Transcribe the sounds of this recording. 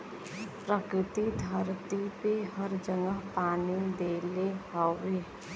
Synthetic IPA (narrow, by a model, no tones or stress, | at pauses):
pɾəkɾɪt̪id̪ʱəɾt̪ipeɦəɾd͡ʒəŋəɦpaːnid̪eːleɦɔweː